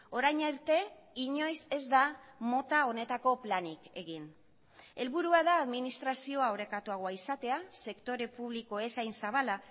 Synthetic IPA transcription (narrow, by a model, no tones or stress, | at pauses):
o̞ɾajɲeɾt̪e̞ | iɲo̞jse̞zd̪amo̞t̪ao̞ne̞t̪ako̞planike̞ɣin | e̞lβuɾuaðaːðminist̪ɾasio̞aoɾe̞kat̪uaɣ̞oaisat̪e̞ase̞kt̪o̞ɾe̞puβ̞liko̞e̞sajnsaβala